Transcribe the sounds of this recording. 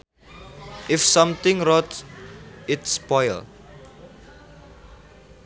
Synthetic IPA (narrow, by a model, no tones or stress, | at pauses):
ʔɪfsʌ̃mt̪ɪ̃ŋrɔt̪ | ɪtspɔjl